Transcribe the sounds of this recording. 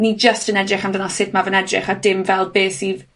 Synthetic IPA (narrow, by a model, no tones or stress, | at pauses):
nid͡ʒəstənɛdrɪχamdənɔsɪtʰmavənɛdrɪ̰χadɪmvɛlˠbeːsiv